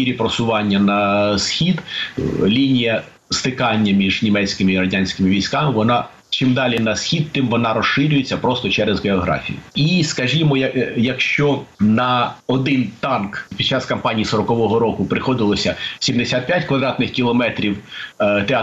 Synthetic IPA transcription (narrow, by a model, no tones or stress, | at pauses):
iɾʲipɾɔsʊʋɑnʲːɐnɐsxʲid̪lʲinʲijɐ | st̪ɪkɑnʲːɐmʲiʒnʲimɛt͡sʲkɪmɪiɾɐdʲanʲsʲkɪmɪʋʲijsʲkɑmɪʋɔnɑ | t͡ʃimd̪ɑlʲinɐsxʲid̪̚t̪ɪmʋɔnɑɾɔʃɪɾʲʊjet͡sʲːɐpɾɔst̪ɔt͡ʃɛɾezɦeɔɦɾɑ̰fʲḭjʊ̰iskɐʒʲimɔjɐjɐkʃt͡ʃɔnɐɔd̪ɪnt̪ɑnkpʲid̪̥̚t͡ʃːɑskɐmpɑnʲijisɔɾɔkɔʋɔɦɔɾɔkʊpɾɪxɔd̪ɪlˠɔsʲɐsʲimd̪esʲat̪̚pʲjatʲkʋɐd̪ɾɑt̪nɪxkʲilˠɔmɛt̪ɾʲiwt̪e